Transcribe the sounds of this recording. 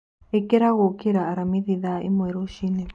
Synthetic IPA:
ekeɾaɣokeɾaːɾamiðiðaḭmweɾoʃine

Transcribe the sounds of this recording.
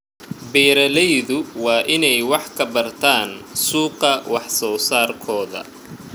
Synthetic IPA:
bɛːɾɐlɛjðʊwɑːʔɪnɛjwɑħkʰɐbɐrt̪ʰaːnsuːqɐwɑħsɔːsaːrkʰɔːðɐ̰

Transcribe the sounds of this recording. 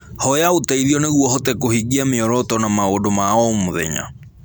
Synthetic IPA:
hɔjaotaiðiɔneɣwɔhɔtɛkohiɡiameɔɾɔtɔnamaoːdomaɔmoðɛ̰ɲa̰

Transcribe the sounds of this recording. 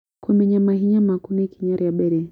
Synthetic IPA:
kɔmɛɲamaɦiɲamakunikiɲaɾijaɓɛɾɛ

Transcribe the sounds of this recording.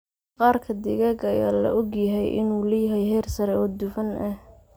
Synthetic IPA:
qɑːrkʰɐd̪ɪɣɛɡɐjaːlɐ̰ʔɔɡjɐɦɛjʔɪ̰nuːlɐjɐɦɛjɦɛːrsɐɾɛɔːd̪ʊfɐnʔɐh

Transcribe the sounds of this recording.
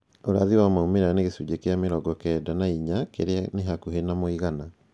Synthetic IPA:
oɾa̰ðiwamaumeɾaneɣesud͡ʒekeameɾɔɡɔkɛdanaiɲakeɾeaneɦakuɦenamoiɣana

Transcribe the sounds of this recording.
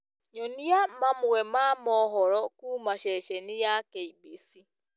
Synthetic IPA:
ɲonijam̩mamʊɣemamɔɦɔɾɔkuːmaʃeʃenɪjakeibisi

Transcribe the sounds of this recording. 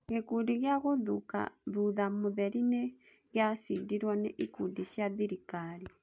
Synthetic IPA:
ɣekudiɣjaɣoðṵka̰ðuðamuðɛɾinɛ | ɣjasidiɾwɔnɛʔikudiʃjaðiɾikali

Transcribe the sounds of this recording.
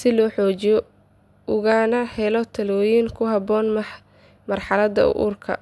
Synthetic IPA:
sɪlɔːħɔːt͡ʃɪjɔ | ʔʊɣaːnɐhɛlɔt̪ʰɐlɔːjɪŋkʰʊɦɑbɔːnmɐħ | mɐrħɑlɐd̪ɐ̰ʊ̰ʔṵːrkʰɐ̰

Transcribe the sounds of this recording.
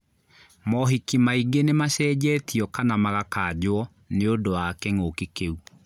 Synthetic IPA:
mɔɦikimaiɡenemaɕɛːd͡ʑɛːtiɔkanamaɣakaːd͡ʑwɔ | neodowakɛŋokikeu

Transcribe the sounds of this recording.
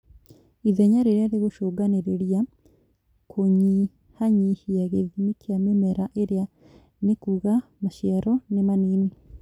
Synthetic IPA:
iðɛɲaɾeɾeaɾeɣoʃoːɡaneɾeɾja | kʰoɲi | haɲihiaɣeðimikʰeamemɛɾaʔeɾea | nekuːɣamaʃjaɾɔnemaniːni

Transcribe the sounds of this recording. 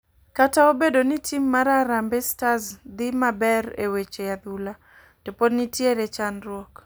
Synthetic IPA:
kataobedonɪtʰimːaɾaɾambestazd̪ɪmabɛɾḛwet͡ʃejad̪ula | topodnitjeɾet͡ʃanɾwɔk

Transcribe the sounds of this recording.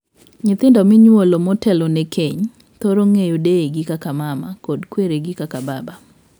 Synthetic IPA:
ɲɪt̪ɪndɔmɪɲwolomɔtɛlɔnɛkʰeɲ | t̪oɾoŋejodeeɡɪkakamama̰kɔdkweɾeɡɪkakababa

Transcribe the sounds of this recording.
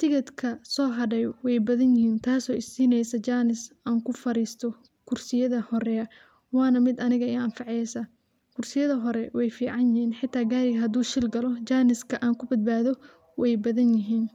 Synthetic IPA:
t̪ʰɪkʰɐd̪kʰɐsɔːɦɐɖɛjwɛjbɐðɐnjɪhiːnt̪ʰaːsɔːʔɪsiːnɛjsɐt͡ʃaːnɪsʔaːŋkʰʊfɐɾiːst̪ʰɔ | kʰʊrsɪjɐðɐhɔɾɛɐ | wɑːnɐmɪd̪ɐnɪɣɐɪɐnfɑʕɛjsɐ | kʰʊrsɪjɐðɐɦɔɾɛwɛjfiːʕɑnjɪhiːnħɪt̪ʰːaːɡaːɾɪɣɐɦɐd̪uːʃɪlɡɐlɔt͡ʃaːnɪskʰɐʔaːŋkʰʊbɐd̪̚baːðɔ | wɛjbɐðɐnjɪɦiːn

